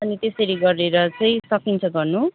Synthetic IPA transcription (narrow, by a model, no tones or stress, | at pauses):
ʌnit̪esʌɾiɡʌreɾʌt͡sʌj̃sʌkint͡sʰʌɡʌrnu